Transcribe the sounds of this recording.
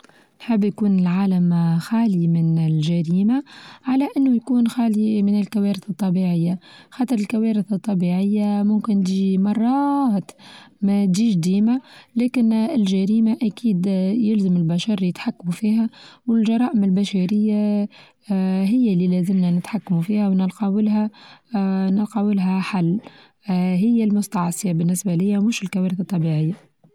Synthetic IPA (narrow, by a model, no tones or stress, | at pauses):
nħɪbːjkuːnɪlʕaːlamxaːlimɪnɪlʒæɾiːmaʕalæʔɪnːʊjkuːnxaːlimɪnɪlkæwæːɾɪθɨt̪ˤːɑbiʕɪjːaxɑːt̪ˤɨɾˤɪlkawæːɾɪθɨt̪ˤːɑbiʕɪjːamʊmkɪnt̪imɑrˤːɑht̪mæt̪d͡ʒiːʃd̪iːmalæːkɪnɪlʒæɾiːmaʔækiːd̪jɪlzəmɪlbæʃɑɾˤljɪt̪ħakːamufiːɦæwɪlʒɑɾˤɑːʔɪmɪlbæʃæɾɪjːa | ɦɪjːalːilæzɪmnænɪt̪ħakːmufiːhæwnɪlqɑwɪlɦæ | nɪlqɑwɪlɦæħalː | ɦɪjːælmʊst̪ɑʕsˤɪjabɪnːɪsbælɪjːæmʊʃɪlkæwæːɾɪθɨt̪ˤːɑbiʕɪjːa